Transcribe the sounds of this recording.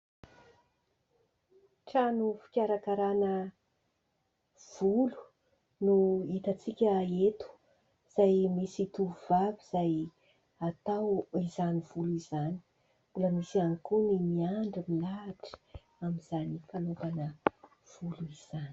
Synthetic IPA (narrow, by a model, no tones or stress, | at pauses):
ʈ͡ʂanufi̥kʲaɾakaɾanə | v̥ulu̥ | nuit̪at͡sikʲəet̪u̥ | z̥ajmisit̪uuvabiz̥aj | at̪awizaniv̥ulizani̥ | buləmisianikunimiaɳɖ͡ʐimilaʈ͡ʂi̥ | amiz̥anifanut̪anə | v̥uluiz̥an